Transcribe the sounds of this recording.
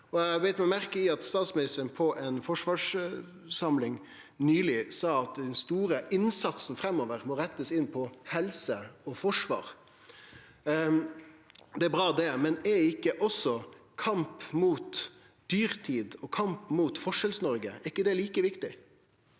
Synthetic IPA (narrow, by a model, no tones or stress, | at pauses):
ɔæɑbɛt̪mɛmæɾkəɪɑt̪st̪ɑːt̪smɪnɪst̪əɾnpʰɔʔɛnfɔʂʋɑːʂ | sɑmlɪŋ | nyːlɪsɑːɑt̪d̪ɛnst̪uːɾəʔɪnsɑt̪snfɾɛmːɔːʋəɾmɔɾɛt̪ːəsɪnːpʰɔhɛlsəɔfɔʂʋɑ̰ːɾ | d̪ɛæbɾɑːd̪ɛmɛnɛɪkːəʔɔsːɔkʰɑmpmuːt̪ | d̪̥yːɾt̪ʰiːd̪ɔkʰɑmpmuːt̪fɔʂɛlsnɔɾɡəæɪkːəd̪ɛæɭiːkəʋɪkt̪ɪ